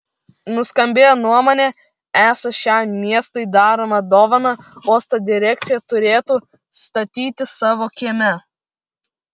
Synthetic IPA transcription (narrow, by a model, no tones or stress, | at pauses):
nʊskɐmʲbʲeːjonuɔmoːnʲɛ | æːsɐʃʲæɪmʲiɛst̪oɪd̪ɑːɾoːmɐd̪oːʋɐnɐoːst̪ɐd̪ʲɪɾʲɛk̚t̪sʲɪjɛt̪ʊɾʲeːt̪uː | st̪ɐt̪ʲiːt̪ʲɪsɑːʋoːkʲiɛmʲɛ